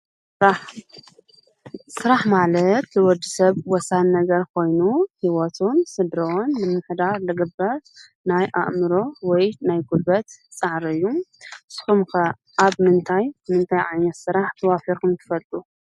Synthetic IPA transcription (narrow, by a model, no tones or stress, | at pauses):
sɨɾaħmalɐt̪lɨwɔd̪ɨsɐβwɔsanːɐɡɐɾkʰo̞jnuhiwɔt̪ʰunsɨd̪ɾɐonlɨmːɨħd̪aɾlɨɡɨbːɐɾ | najʔa̰ʔmɨɾo̞wɔjnajɡubɐt̪t͡sʼaʕɾɨjːusɨ̥xumkɐ | ʔaβmɨnt̪ʰajmɨnt̪ʰajʕajnɐt̪sɨɾaħt̪ʰɐwafiɾkʰɨmt̪ʰɨ̥fɐlt̪ʼu